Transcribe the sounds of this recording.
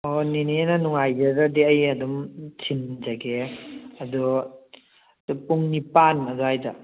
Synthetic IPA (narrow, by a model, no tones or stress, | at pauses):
onininanuŋajd͡ʒaɾadiɐjɐdumt͡ʃʰind͡ʒaɡeɐdu | upuŋnipanɐduhajd͡ʒa